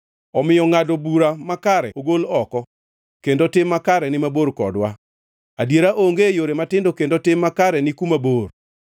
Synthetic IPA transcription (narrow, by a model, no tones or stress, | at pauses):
ɔmɪjɔŋadobuɾamakaɾɛ̰oɡolɔkɔ | kendotɪmːakaɾɛnɪmaboɾkɔ̰dwa | adjeɾaʔoŋɡejoɾematɪndokendotɪmːakaɾɛnɪkumabor